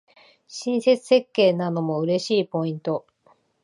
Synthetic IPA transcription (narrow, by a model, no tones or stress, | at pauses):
ɕĩɰ̃se̞t͡sɨ̥se̞kːe̞ːnano̞mo̞ɯ̟ɾe̞ɕiːpo̞ĩnt̪o̞